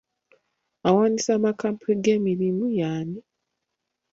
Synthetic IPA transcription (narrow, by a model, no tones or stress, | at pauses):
awaːnisamakaːmpʰeɡe̞ːmiɾimujaːni